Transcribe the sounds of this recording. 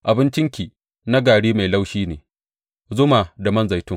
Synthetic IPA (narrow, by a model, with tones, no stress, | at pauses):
ʔa˨bɪ˦nt͡ʃɪ˦ŋkʲiː˨ | na˦ɡaː˨ɽiː˦ma˨jla˦wʃiː˦neː˨ | zʊ˦maː˨da˨mɐ˦nza˨jtʊ˦ŋ